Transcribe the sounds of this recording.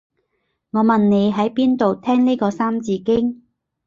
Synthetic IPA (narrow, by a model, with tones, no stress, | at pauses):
ŋɔː˨˧mɐ˨nne˨˧jɦɐ˨˥jpiː˥nt̪o˨wt̪ʰɛː˥ŋni˥jkɔː˧saː˥mt͡siː˧kɪ˥ŋ